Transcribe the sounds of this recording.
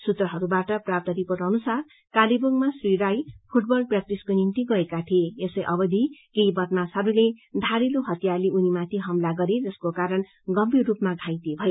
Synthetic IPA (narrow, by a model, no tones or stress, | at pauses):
sut̪rʌɦʌɾubaʈʌprap̚t̪ʌɾipoʈʌnusar | kaliboŋmasriɾajpʰuʈbʌlprak̚ʈiskonint̪iɡʌekat̪ʰieesʌjʔʌbʌd̪ʱikejbʌt̪nasɦʌɾuled̪ʱaɾiloɦʌt̪jarleʔunimat̪ʰiɦʌmlaɡʌɾed͡zʌskokaɾʌn | ɡʌmbirrupmaɡʱãjt̪ibʱʌe